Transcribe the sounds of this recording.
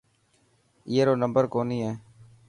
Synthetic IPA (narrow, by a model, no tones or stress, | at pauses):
ɪeːɾoːnəmbəɾkoːniːɦɛː